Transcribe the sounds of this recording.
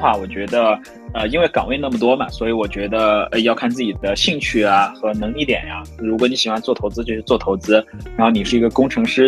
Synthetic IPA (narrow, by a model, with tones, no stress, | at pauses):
xwa˥˩wɔ˨˩t͡ɕɥɛ˧˥d̪ə˧ | ə˧i˥nwe˥˩ɪkɑ˨˩ŋwe˥ɪna˥˩mə˩t̪wɔ˥mɐ˨swɔ˧˥i˧˥wɔ˨˩t͡ɕɥɛ˧˥d̪ə˧ə̰˧ɪjɑ˥˧ʊkʰa˥˧nt͡sɹ̩˥˩t͡ɕi˨˩d̪ə˦ɕi˥˧ŋt͡ɕʰy˥˩ɐ˩xɤ˧˥nɤ˧˥ŋli˥˩t̪jɛ̰˨˩nja˦˩ɻu˧˥kwɔ˧˥ni˧˥ɕi˨˩xwa˥nt͡swɔ˥˩t̪ʰo˧˥ʊt͡sɹ̩˥t͡ɕjo˥˧ʊʂɻ̩˥˩t͡swɔ˥˩t̪ʰo˧˥ʊt͡sɹ̩˥ɻa˧˥nxo˥˩ni˨˩ʂɻ̩˥˩i˧˥ɡə˧kʊ˥ŋʈ͡ʂʰɤ˧˥ŋʂɻ̩˥